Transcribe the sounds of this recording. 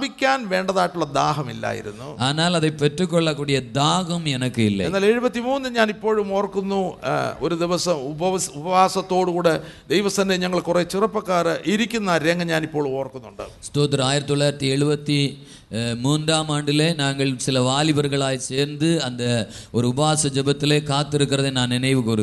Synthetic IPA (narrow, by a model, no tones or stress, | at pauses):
bikʲːaːnʋe̞ːɳɖɐðaːjiʈːuɭːɐd̪aːɦɐmḭlːa̰ːjḭɾṵnːṵɐðɐnaːlɐðepetːukːoɭːɐkːuːɽijɐd̪aːɦɐmenɐkːɨilːɐ̰enːaːle̞ɻubɐt̪ːimuːnːɨɲaːnipːo̞ːɻumo̞ːrkːunːuoɾud̪iʋɐsɐmubɐɐubɐʋaːsɐt̪ːo̞ːɽukuːɽed̪ejʋɐsɐndeɲɐŋːɐɭkuret͡ɕirɐpːɐkːaːrɐʔiɾikʲːunːaːɾeŋːɐɲaːnipːo̞ːɭumo̞ːrkːunːuɳɖa̰st̪oːt̪ːɐɾaːjiɾɐt̪itoɭːaːjiɾɐt̪ːie̞ɻubɐt̪ːi | muːnd̪aːmaːɳɖile̞naːŋːɐɭsilɐʋaːlibɐrɣɐɭaːjit͡ɕeːɾnd̪ɨɐnd̪ | o̞ɾubɐaːsɐd͡ʑebɐt̪ːile̞kaːt̪ːeɾukːirɐðenaːninɐjʋɨkuːr